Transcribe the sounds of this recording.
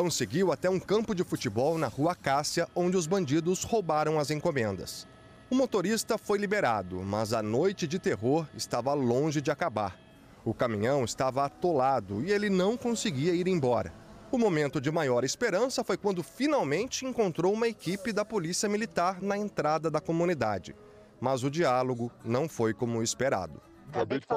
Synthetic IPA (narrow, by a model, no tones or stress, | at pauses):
kõseɡiwat̪ɛũkɐ̃mpʊd͡ʒɪfut͡ʃibɔwnɐhuɐːkasiɐõnd͡ʒɪʊzbɐ̃nd͡ʒid̪ʊshowbaɾɐ̃w̃ɐzẽkomẽnd̪ɐ̰s | ʊmot̪oɾist̪ɐfojlibeɾa̰d̪ʊ̰mɐ̰zɐnojt͡ʃɪd͡ʒɪt̪eɦoɾɪ̰st̪avɐlõʒɪd͡ʒɪakaba̰ɾ | ʊkamĩɲɐ̃w̃ɪst̪avɐːt̪olad̪ʊɪelɪnɐ̃w̃kõsɪɡiɐiɾẽj̃bɔɾɐ̰ | ʊmomẽnt̪ʊd͡ʒɪmajɔɾɪspeɾɐ̃sɐfojkwɐ̃nd̪ʊfinawmẽnt͡ʃɪẽŋkõnt̪ɾowũmɐekipɪd̪ɐpolisiɐmilit̪aɾnɐẽnt̪ɾad̪ɐd̪ɐkomũnid̪a̰d͡ʒɪ̰ | mɐzʊd͡ʒialoɡʊnɐ̃w̃fojkõmʊespeɾa̰d̪ʊ